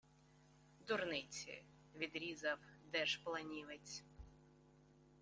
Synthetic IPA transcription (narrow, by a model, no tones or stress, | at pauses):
d̪ʊrnɪt͡sʲḭ | ʋʲid̪ɾʲizɐwd̪ɛʃplˠɐnʲiʋɪt͡sʲ